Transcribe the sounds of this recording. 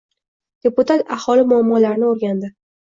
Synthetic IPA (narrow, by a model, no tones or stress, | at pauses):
d̪̥e̞pʊt̪at̪ahɒlɪmʊamːɒlaɾnɪoɾɡʲand̪ɪ